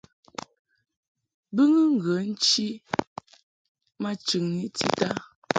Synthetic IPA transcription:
bɨ˦ŋə˦ŋ̩˨ɡə˨˦n̩˦t͡ʃi˦ | ma˦t͡ʃʉ˨ŋni˦ti˦ta˦

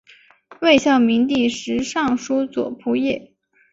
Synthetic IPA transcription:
we˥˧ɪɕjɑ˥˩ʊmi˧˥ŋt̪̬i˥˩ʂɻ̩˧˥ʂɑ˥˩ŋʂu˥t͡swɔ̰˨˩pʰu˧˥jɛ˥˩

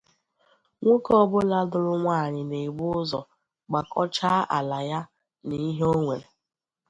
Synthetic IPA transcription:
ŋʷo˦kɔ˦bʊ˦la˦dʊ˦ɾʊ˦ŋʷa˦˨ɲɪ˨ne˨ɡ͡bʊ˦ʊ˦zɔ˨ | ɡ͡ba˨kɔ˦t͡ʃa˦ʔa̰˨la˨ja˦ | ni˦ɦo˦ŋʷe˨ɾe˨

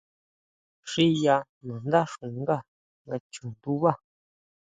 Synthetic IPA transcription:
ʂi˦ja˧ | nã˨nd̪a˦ʂũ˨ŋ˦ɡa˦˨ | ŋɡa˧t͡ʃũ˨nd̪u˦βa˦˨

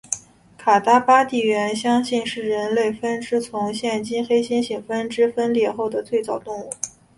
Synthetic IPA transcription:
kʰa˨˩t̪a˥pa˥t̪i˥˩ɥɛ˧˥nɕjɑ˥ŋɕi˥˧nʂɻ̩˥˩ɻə˧˥nle˥˩ɪfə˥nʈ͡ʂɻ̩˥t͡sʰʊ˧˥ŋɕjɛ˥˩nt͡ɕi˥nxe˥ɪɕi˥nɕi˨˩ŋfə˥nʈ͡ʂɻ̩˥fə˥nljɛ˥˧xo˥˩ʊd̪ə˩t͡swe˥˩ɪt͡sɑ˨˩ʊt̪ʊ˥˧ŋu˥˩

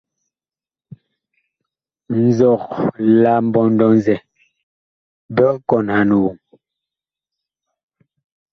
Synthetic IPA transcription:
n̩˨zɔ˦˨kla˦˨m̩˦bɔ˨n̩˦dɔ˦nzɛ˨ | bɛ˦ʔkɔ˨nha˨nu˨wu˨ŋ

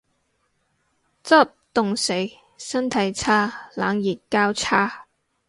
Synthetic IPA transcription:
t͡sɐ˥p̚t̪ʊ˨ŋse˨˥j | sɐ˥nt̪ʰɐ˨˥jt͡sʰaː˥laː˨˥ŋjiː˨˩t̚kaː˥wt͡sʰaː˥

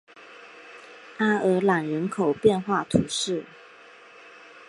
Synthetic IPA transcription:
a˥ə˧˥la˨˩nɻə˧˥nkʰo˨˩ʊpjɛ˥˧nxwa˥˩t̪ʰu˧˥˦ʂɻ̩˥˩

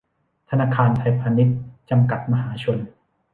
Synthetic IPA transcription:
t̪ʰa˧naː˧kʰaː˧nt̪ʰa˧jpʰaː˧ni˦˥t̪̚t͡ɕa˧mka˨˩t̪̚ma˧ɦaː˩˦t͡ɕʰo˧n

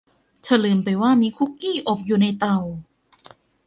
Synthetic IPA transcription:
t͡ɕʰa˧lɤː˧˩mpa˧jwaː˥˩miː˧kʰu˦˥kːiː˥˩ʔo˨˩p̚juː˨˩na˧jt̪a˧˩w

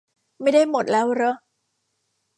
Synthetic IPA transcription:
ma˥˩jda˥˩jmo˨˩t̪̚lɛː˦˥wɾɤ˦˥

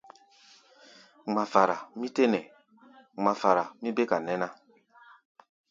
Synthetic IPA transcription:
ŋ͡ma˨fa˨ɾa˨mi˦te˦nɛ˨ | ŋ͡ma˨fa˨ɾa˨mĩ˦be˦ka˨nɛ˦na˦

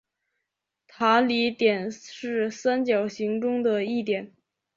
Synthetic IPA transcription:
t̪ʰa˧˥li˧˥t̪jɛ˨˩nʂɻ̩˥˩sa˥nt͡ɕjɑ˨˩ʊɕi˧˥ŋʈ͡ʂʊ˥ŋd̪ə˨i˥˩t̪jɛ˨˩˦n

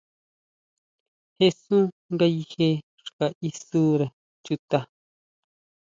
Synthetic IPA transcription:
he˦˧su˦ | ŋɡa˧ji˧he˧ | ʂka˨ʔi˧su˦ɾe˨ | t͡ʃu˧t̪a˧

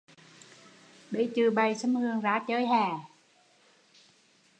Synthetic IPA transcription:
ɓe˧˩t͡ɕɨ˨˩ɓa˨˩jsə˧˥mhɨ˨˩əŋzaː˨˦t͡ɕəː˨˦jɦaː˨˩

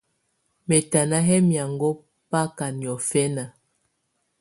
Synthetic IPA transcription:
mɛ˨ta˨na˦ɦɛ˦mja˨ŋɡɔ˦ | pa˦ka˨ni˨ɔ˨fɛ˦na˨

